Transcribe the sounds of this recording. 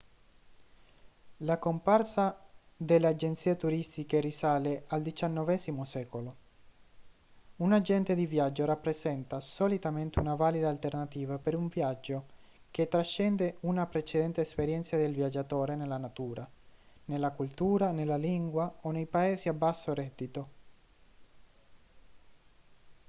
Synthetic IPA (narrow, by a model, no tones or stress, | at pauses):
lakomparsa | d̪elːead͡ʒent̪siːet̪uɾist̪ikerisaːleald̪it͡ʃanːɔvɛzimosɛːkolo | unad͡ʒɛnt̪ed̪ivjad͡ʒːorapːɾezɛnt̪asɔlit̪ament̪eunavaːlid̪aːlt̪ernat̪iːvapeɾuɱvjad͡ʒːo | k̟et̪ːɾaʃːɛnd̪eunapɾet͡ʃed̪ɛnt̪eːspeɾjɛnt̪sad̪elvjad͡ʒːat̪oːɾenelːanat̪uːɾa | nelːakult̪uːɾanelːaliŋɡwaonejpaeːziabːasːorɛd̪ːit̪o